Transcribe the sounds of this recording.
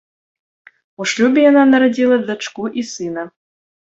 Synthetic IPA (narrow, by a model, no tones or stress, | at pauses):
uʂlʲubʲɪjananɐɾɐdʲilˠɐd̪ɐt͡ʂkuʔisɨnɐ